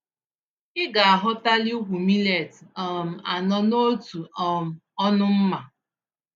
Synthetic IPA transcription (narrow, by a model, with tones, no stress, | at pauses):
ɪ˦ɡa˨a˨ɦʊ˦ta˦li˦u˦ɦʷu˨mi˦le˨tɔ˨m̩˨a˨nɔ˦no˦tu˨ɔ˨m̩˨ɔ˦nʊ˦m̩˦ma˨